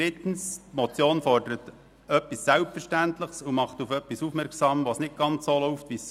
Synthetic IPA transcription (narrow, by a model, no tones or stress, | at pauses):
d̥ɾɪtn̩smɔt͡sjoːnfɔrd̥əɾət | œpːisːælpfɛɾʃtæntlɪχsumɑχt̪ufœpːisufmɛɾksɑːmʋoːsnɪt̚ɡ̥ɑnt͡ssolɔʊftʋis